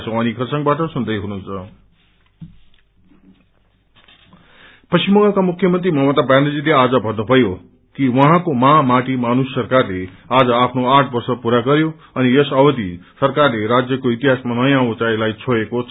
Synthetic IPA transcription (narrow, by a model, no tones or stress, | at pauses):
sʰʌ̃w̃ʌnikʰʌsʌŋbaʈʌsund̪ʌjɦununt͡sʰʌ | pʌsimʌŋɡʌkamukʰjʌmʌnt̪rimʌmʌt̪abaned͡zilead͡zʌbʱʌnːobʰʱʌjo | kiwʌɦãkomamaʈimanusːʌrkarlead͡zʌapʰnoaʈʰbʌrsʌpuɾaɡʌɾjo | ʌnijʌsʌbʌd̪ʱisʌrkarleɾad͡zjʌkoit̪iɦasmanʌjãut͡sailajt͡sʰoɽekot͡sʰ